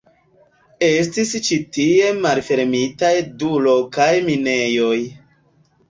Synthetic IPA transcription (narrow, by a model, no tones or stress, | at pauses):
e̞s̬tist͡ʃitie̞malfe̞ɾmitajdulokajmine̞jo̞j